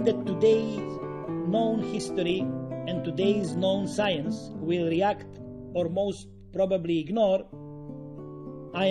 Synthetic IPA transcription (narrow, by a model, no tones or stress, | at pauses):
d̪ɛtːudeɪznõʊ̃nhɪst̪ɔɾiɛ̃nt̪udeɪznõʊ̃nsajə̃nswɪlˠɹiækt̪ | ɔɾmoʊst̪̚ | pɾɔbəbliɪɡnɔɾ | a